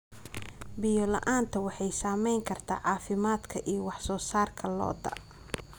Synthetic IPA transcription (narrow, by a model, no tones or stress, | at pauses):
bɪjɔlɐ̰ʔaːnt̪ʰɐwɑħɑjsaːmɛjŋkʰɐrt̪ʰa̰ːʕɑːfɪmaːd̪kʰɐʔijɔwɑħsɔːsaːrkʰɐlɔ̰ːd̪ɐ̰